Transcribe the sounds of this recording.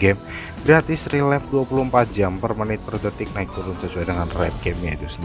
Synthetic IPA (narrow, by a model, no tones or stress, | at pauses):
ɡɛm | bɾat̪ɪsrilɛfduapuluhmpat̪̚d͡ʒampərmənɪt̪̚pərd̪ət̪ɪk̚naik̚t̪uɾʊnsat͡ʃuadəŋanrɛ̰p̚kɛmad̪ʊsn